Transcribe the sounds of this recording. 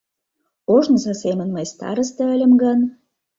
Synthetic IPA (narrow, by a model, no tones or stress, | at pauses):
oʒnzɑsemə̆nməjst̪ɑ̰ɾə̆st̪ə̆ə̆lʲə̆mɡɤn